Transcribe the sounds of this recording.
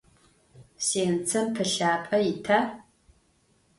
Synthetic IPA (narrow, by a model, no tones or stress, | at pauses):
seːnt͡sʰɐmpʰɐɬaːpʼɐjɪtʰaː